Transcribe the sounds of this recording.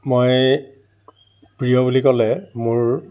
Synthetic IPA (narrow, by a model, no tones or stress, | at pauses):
moj | pɹijɔbulikɔlɛmʊɹ